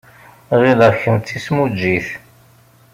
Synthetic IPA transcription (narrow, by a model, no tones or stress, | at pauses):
ʁiləçəmt͡s̪ːismud͡ʒːiθ